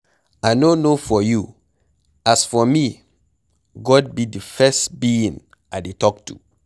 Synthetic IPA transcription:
aɪnonofɔju | asfɔmi | ɡɔd̚bidəfɛstbiĩn | aɪdetɔk̚tʰṵ

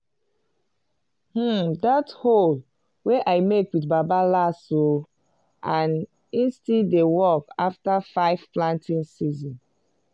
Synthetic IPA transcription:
h̩dathol | weʔaɪmekwitbabalaso | ʔãn | ĩnstidewɔkaftafaɪvplãntʰĩnsizɔ̃n

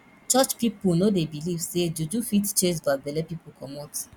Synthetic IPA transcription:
t͡ʃɔt͡ʃpiponodebilivsedud͡ʒufitt͡ʃesbadɛlɛpipokʰɔmɔt

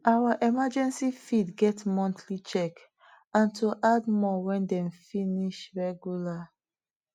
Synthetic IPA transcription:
ʔawaʔɛmad͡ʒɛ̃nsifidɡɛtmɔ̃ntʰlit͡ʃɛk | ãntʰoʔadmɔwɛ̃ndɛ̃mfiniʃɹɛɡjula

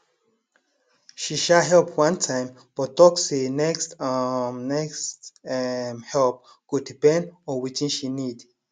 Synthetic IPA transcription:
ʃiʃaɦɛlpʰwãntʰãɪ̃m | b̥ɔtɔksinɛkst | nɛkst | mhɛlp̚ | kud̚dipɛ̃ndɔwit͡ʃĩnʃinid

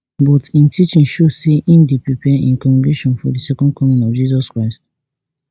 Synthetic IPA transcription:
bɔtĩntit͡ʃĩnʃoseĩndipɹipɛʔḭ̃nkɔ̃nbiʃɔ̃nfɔdisɛkɔ̃nd̚kɔ̃mĩnɔvd͡ʒizɔskɹaɪst

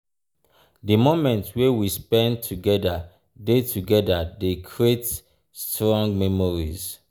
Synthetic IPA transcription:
dimomɛ̃ntwewispɛ̃ntʰuɡɛda | detuɡɛdadekʰɹiet | stɹɔ̃ŋɡmɛmɔɹḭz

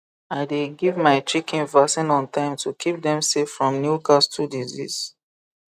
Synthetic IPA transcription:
aɪdeɡivmaɪt͡ʃikʰĩnvasĩnɔ̃ntʰãɪ̃mtʰukʰip̚dɛ̃msefɹɔ̃mnjukastʰudizḭz

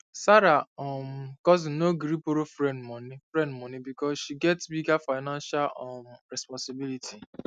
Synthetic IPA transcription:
saɾaɔmkɔz̬noɡɾipoɾofɾɛ̃ndmɔ̃nifɾɛ̃ndmɔ̃nibikɔsʃiɡɛtsbiɡafaɪnãnʃalɔmɾɛspɔ̃nsibilitʰi

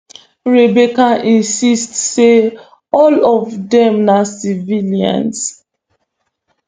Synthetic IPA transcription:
ɹebekaʔĩnsistse | ɔlɔvdɛ̃mnasiviliã̰ns

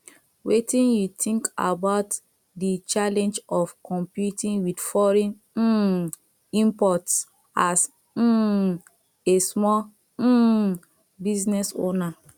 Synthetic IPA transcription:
wetĩnjutʰĩŋka̰baʊt | dit͡ʃalɛ̃nd͡ʒɔfkʰɔ̃mpjutĩŋwidfɔɹĩn̩ | ĩmpɔts | as̩ | esmɔ | biznɛso̰na

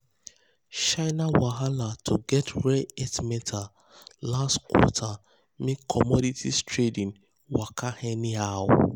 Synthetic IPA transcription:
ʃaɪnawaɦalatʰuɡɛtʰɹɛetmɛtʰa | lastkwɔ̰tʰa | mekʰɔmɔditʰḭstɹedĩn | wakʰahɛ̃nihaw

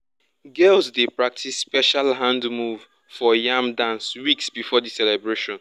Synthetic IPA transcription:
ɡɛlsdepɹak̚tʰisːpɛʃalɦãndmuv | fɔjãmdãnswiksbifɔdisɛlɛbɹeʃɔ̃n

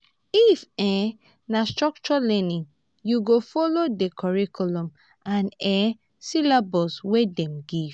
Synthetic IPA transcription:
ifɛ̃ | nastɹɔk̚t͡ʃɔlɛ̃nĩŋ | juɡofɔlodekʰɔɹikʰulɔ̃m | ãnɛ̃ | silabɔswedɛ̃mɡiv

